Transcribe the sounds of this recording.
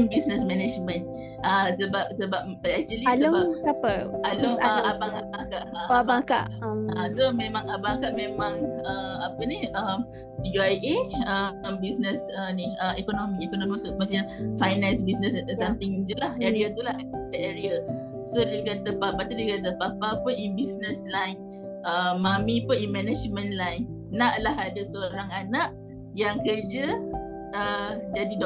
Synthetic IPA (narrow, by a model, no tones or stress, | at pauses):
ŋbisnəsmɛnɛd͡ʒmə̃n | asəbap̚səbap̚pəlɛsəlislobasapəaloŋəabaŋabakaʔaabaŋka̰ʔasomẽmãŋabaŋkaʔmẽmãŋəapənihəm | juajʔeəmbisnəsənihəɛkonomiɛkononmisokəmas̬ɲanfajnãnsbisnəssamt̪ɪŋt̪ulaheɾiat̪ulahdaʔeɾia | sodekat̪əpapat̪udekat̪əpapapuninbisnəslajn | ʔəmːamipʊninmɛnad͡ʒmə̃nlajn | naʔlaɦadasoɾɾaŋanaʔ | jaŋkərd͡ʒə | əd͡ʒadid